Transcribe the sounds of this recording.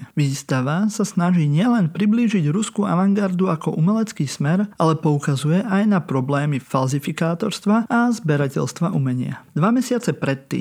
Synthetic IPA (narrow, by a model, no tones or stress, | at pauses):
ʋiːst̪aʋasasnaʒiːɲɪɛlɛnpɾibliːʒiɟɾuskua̰ʋaŋɡaɾd̪uakɔʔumɛlɛt͡skiːsmɛɾʔalɛpɔukazujɛʔajnapɾɔblɛːmifalzifikaːt̪ɔɾst̪ʋaazbɛɾacɛ̰ʎst̪ʋaʔumɛɲɪa̰d̪ʋamɛsɪat͡sɛpɾɛt̪ːḭː